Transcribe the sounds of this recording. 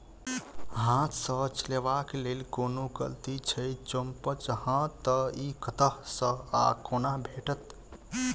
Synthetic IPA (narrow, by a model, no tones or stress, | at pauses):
ɦãt̪sət͡ʃəleʋakelelkonoɡə̰lt̪it͡ʃʰəjt͡ʃompət͡ʃhãt̪ːəikət̪əɦsə̃a̰konabʱeʈət̪